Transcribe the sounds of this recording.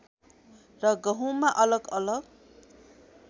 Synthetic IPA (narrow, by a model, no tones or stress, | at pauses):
rʌɡʌɦũmaʔʌlʌɡʌlʌɡ